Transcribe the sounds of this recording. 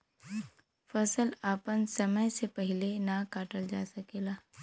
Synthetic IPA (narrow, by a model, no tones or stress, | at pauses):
fɐsəlaːpənsɐməjsepɛɦɪlenakaːʈəld͡ʒa̰ːsəkeːlaː